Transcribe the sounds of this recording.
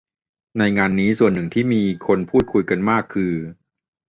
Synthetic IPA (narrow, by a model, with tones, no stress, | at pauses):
na˧jŋaː˧nːiː˦˥su˨˩ənːɯ˨˩ŋt̪ʰiː˥˩miː˧kʰo˧npʰuː˥˩t̪̚kʰu˧jka˧nmaː˥˩kʰːɯː˧